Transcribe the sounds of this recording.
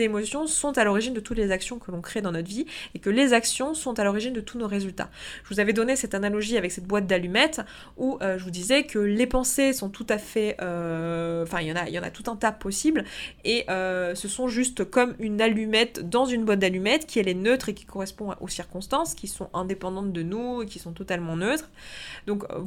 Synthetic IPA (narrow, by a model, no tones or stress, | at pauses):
emɔsjɔ̃sɔ̃t̪alɔʁiʒind̪ət̪ut̪lezaksjɔ̃kəlɔ̃kχed̪ɑ̃nɔt̪viekəlezaksjɔ̃sɔ̃t̪alɔʁiʒind̪ət̪ʰunoʁezylt̪a̰ʒəvuzavɛd̪ɔnesɛt̪analɔʒiavɛksɛt̪̚bwat̪̚d̪alymɛt̪ | uʔøʒəvud̪izɛkʰəlepɑ̃sesɔ̃t̪ʰut̪afɛʔø | ɑ̃fɛ̃iljɑ̃naḭljɑ̃na̰t̪ut̪ɛ̃t̪apɔsibleʔøsəsɔ̃ʒyst̪kɔmynalymɛt̪d̪ɑ̃zynbwat̪̚d̪alymɛt̪kʲiɛlɛnøt̪χekʲi̥kɔʁɛspɔ̃o̰siʁkɔ̃st̪ɑ̃skʲisɔ̰̃ʔɛ̃d̪epɑ̃d̪ɑ̃t̪̚d̪ənuekʲi̥sɔ̃t̪ɔt̪almɑ̃nøt̪χ | d̪ɔ̃k